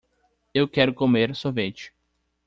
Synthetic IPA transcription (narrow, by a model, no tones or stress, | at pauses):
ewkɛɾʊkomeɾsovet͡ʃɪ̥